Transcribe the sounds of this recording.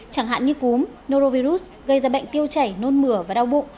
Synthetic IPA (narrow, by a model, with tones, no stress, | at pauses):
t͡ɕaː˧˩ŋɦa̰ː˧˨nɲɨ˧ku˨˦m | no˧zo˧vi˧zu˦˥s | ɣə˧˩jzaː˧˩ɓə̰˧˨jŋ̟t̪i˧əwt͡ɕa˧˩jno˧nmɨ˧˩əvaː˨˩ɗaː˧wɓo̰˧˨ŋ͡m